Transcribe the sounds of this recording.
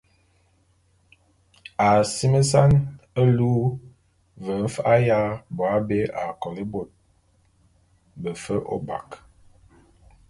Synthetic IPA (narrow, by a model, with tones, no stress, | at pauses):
a˨si˦mə˦s̬a˦nə˦luː˦ | və˨m̩˦fa˦ja˦bɔ˨a˦be˦ʔa˨kɔ˨li˦bo˨t̚ | bə˨fə˦ʔo̰˦ba̰˨k